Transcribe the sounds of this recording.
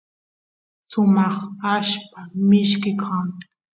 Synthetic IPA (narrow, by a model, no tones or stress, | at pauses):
sʊmɑχaʃpamɪʃkɪkʰɑŋ